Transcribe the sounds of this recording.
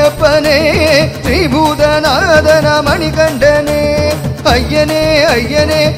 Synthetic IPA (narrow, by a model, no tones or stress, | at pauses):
ɐpːɐneɾibʱuːd̪ɐnɐd̪ɐnamɐɳikɐɳɖɐneːɐjːɐneːɐjːɐne